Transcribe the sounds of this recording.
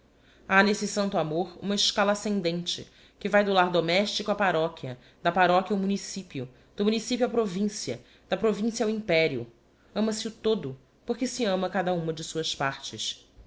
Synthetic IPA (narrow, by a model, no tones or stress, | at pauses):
anesɪsɐ̃nt̪ʊamoɾṵ̃mɐɪʃkalɐasẽnd̪ẽnt͡ʃɪ̰ | kɪvajd̪ʊlaɾd̪omɛʃt͡ʃikʊɐpaɾɔkʲjɐ | d̪ɐpaɾɔkʲjɐʊmũnisipjʊ | d̪̥ʊmũnisipjuɐpɾovĩsiɐ̰ | d̪̥ɐpɾovĩsiɐuĩpɛɾiʊ̰ | ɐ̃mɐsɪʊt̪od̪ʊ | poχkɪsɪɐ̃mɐkad̪ɐũmɐd͡ʒɪsuɐspaɾt͡ʃɪs